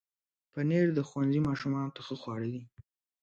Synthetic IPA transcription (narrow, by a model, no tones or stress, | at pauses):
pəneɾd̪əxwanzimɑʃumɑnot̪axəxwɑɽəd̪i